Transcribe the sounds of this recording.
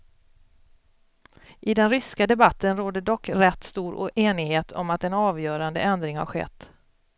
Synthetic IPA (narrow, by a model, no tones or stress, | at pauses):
ʔɪd̪ɛnɾʏskad̪ɛbat̪ːənɾoːd̪əɖɔkːɾɛt̪ːst̪uːɾɔ̰ʔeːnɪɡɦeːt̪ʰɔ̰mat̪ɛnɑːvjœːɾand̪ə̰ɛnd̪ɾɪŋha̰ɾɧɛ̰t̪ː